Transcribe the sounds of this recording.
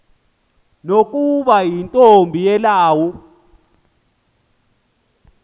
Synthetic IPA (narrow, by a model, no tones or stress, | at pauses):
nok̬ʼuɓajintʼombʱijɛlaːwu